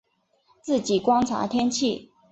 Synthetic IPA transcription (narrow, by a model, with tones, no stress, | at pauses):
t͡sɹ̩˥˩t͡ɕi˨˩kwɑ˥ŋʈ͡ʂʰa̰˧˥t̪ʰjɛ˥nt͡ɕʰi˥˩˨